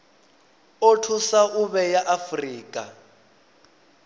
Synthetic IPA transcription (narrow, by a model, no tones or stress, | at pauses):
otʰusaʔuβɛjaʔafriːkʼa